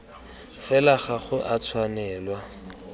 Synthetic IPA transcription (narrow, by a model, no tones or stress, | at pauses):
fɛlaχaχʊʔat͡sʰwanɛːlwa